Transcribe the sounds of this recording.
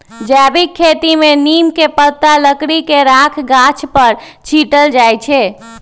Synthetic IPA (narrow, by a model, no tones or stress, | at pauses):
d͡ʒɛbikʰːet̪imeninkepət̪ːaləkɽikeɾakʰɡat͡ʃʰpəɾ | t͡ʃʰiʈəld͡ʒajt͡ʃʰɛ